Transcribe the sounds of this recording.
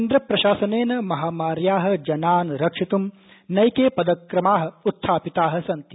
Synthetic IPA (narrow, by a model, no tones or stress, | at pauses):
nd̪ɾɐpɾɐʃaːsɐneːnɐmɐɦaːmaːɾjaːɦɐ̆d͡ʒɐnaːnɾɐkʂit̪um | nɐjkeːpɐd̪ɐkɾɐmaːɦɐ̆ut̪ʰːaːpit̪aːɦɐ̆sɐnt̪i̥